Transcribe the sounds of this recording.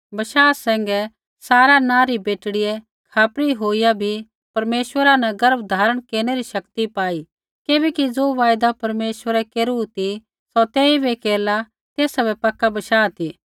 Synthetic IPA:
bɐʃaːsɛ̃ːŋɡɛ | saːɾanãːɾibeːʈɽɪjɛ | kʰaːpɾiɦoːijabʱi | pɐɾmeːʃwəɾanɐɡɐɾəb̚d̪ʱaːɾəɽ̃keːɾñeɾiʃɐkt̪ipaːi | keːbɛkid͡zoːʋaːjd̪apɐɾmeːʃwəɾɛkeːɾut̪i | sɔt̪ɛːibekeːla | t̪eːsabɛpɐkːabɐʃaːt̪iː

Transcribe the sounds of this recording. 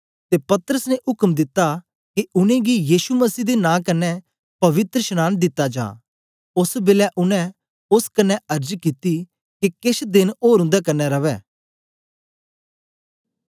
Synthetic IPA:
t̪epɐt̪ɾəsneʔʊkəmd̪ɪt̪ːa | kiʊnẽɡijiːʃuməsiːd̪enãːkɐnːɛ | pɐʋɪt̪ɾəʃənaːnd̪ɪt̪ːad͡ʒa̰ː | ʊsbɪlɛʔʊnɛ̃ | ʊskɐnːɛɐɾd͡ʒkit̪i | kikɪsd̪ɪnoːɾʊ̃nd̪akɐnːɛɾɐʋɛː

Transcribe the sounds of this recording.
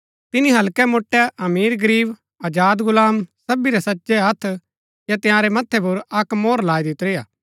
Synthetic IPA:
t̪ɪniɦɐlkɛmoːʈːɛɐmiːɾɡɐɾiːb | ɐd͡ʒaːd̪ɡʊlaːmsɐbiɾɛsɐtːʃɛɐt̪ʰ | jat̪ɪjãːɾɛmɐt̪ʰːɛp̬ʊɾɐkmoːɾlaːid̪ɪt̪ɾeːjaː

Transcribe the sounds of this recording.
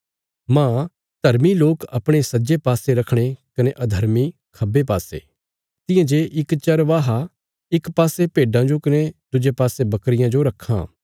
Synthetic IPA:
mãː | d̪̥ʱɐɾmiloːkɐpɽ̃esɐd͡ʒepaːseɾɐkʰɽ̃ekɐneʔɐd̪ʱɐɾmi | kʰɐbep̬aːsḛː | t̪ɪ̃jãd͡ʒeʔɪkt͡ʃɐɾʋaːɦa | ɪkpaːsepeːɖãd͡ʒokɐned̪ʊd͡ʒepaːsebɐkɾɪjãd͡ʒoɾɐkʰːã̰ː

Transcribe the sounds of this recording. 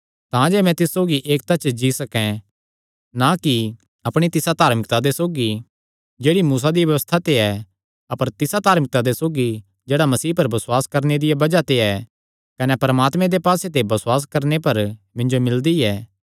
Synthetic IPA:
t̪ãd͡ʒɛːmɛ̃t̪ɪssoːɡiʔeːkt̪ɐt͡ʃd͡ʒisɐkɛ̃ | naki | ɐpɽ̃it̪ɪsat̪aːɾmɪkt̪ad̪esoːɡi | d͡ʒeːɽimuːs̬ad̪iʋjɐʋəst̪ʰat̪eɛ | ɐpəɾt̪ɪsad̪ʱaːɾmɪk̚t̪ad̪esoːɡi | d͡ʒeːɽamɐsiːpɐɾbɐswaːskɐɾned̪ɪjabɐd͡ʒat̪eɛ | kɐnɛpɐɾəmaːt̪mɛ̃d̪epaːset̪̬ebɐsʊwaːs̬kɐɾnepɐɾ | mɪ̃ɲd͡ʒomɪld̪iɛː

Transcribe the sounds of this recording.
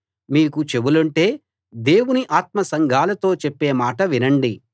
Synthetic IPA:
miːkut͡ʃe̞bulɐɳʈe̞ː | d̪e̞ːwuniʔaːt̪̚mɐsɐŋɡʱaːlɐt̪o̞ːt͡ʃepːe̞ːmaːʈɐʋinɐɳɖi

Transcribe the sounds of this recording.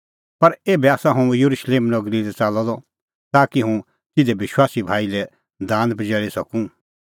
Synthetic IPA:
pɐɾeːbɛaːsãɦõjɐɾuʃleːmnɔɡɾilɛt͡saːlɔd̪ɔ | t̪aːkiɦũ | t̪ɪd̪ɛbɪʃwaːsibʱaːilɛ | d̪ãːnd̪pd͡ʒɛːɭisɐkũ

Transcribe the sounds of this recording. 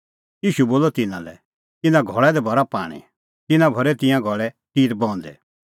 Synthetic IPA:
jiːʃuboːlɔt̪ɪnã̰lɛ̰ | t̪ɪnãɡʱɔɭɛd̪ɛbʱɔɾapa̰ːɽ̃ḭ | t̪ɪnãbʱɔɾɛt̪ɪ̃jãɡʱɔɭɛ | t̪iːɾbɔ̃ːnd̪ɛ̰

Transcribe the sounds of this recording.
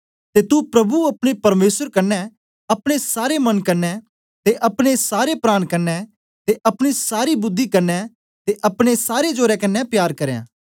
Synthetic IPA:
t̪et̪upɾɐbuɐpɽ̃epɐɾmeːsəɾkɐnːɛ | ɐpɽ̃esaːɾemɐnkɐɾnɛ | t̪eʔɐpɽ̃esaːɾepɾaːɽ̃kɐɾnɛ | t̪eʔɐpɽ̃isaːɾibʊd̪ʱːikɐɾnɛ | t̪eʔɐpɽ̃esaːɾed͡ʒoːɾɛkɐnːɛpjaːɾkɐɾjã̰ː

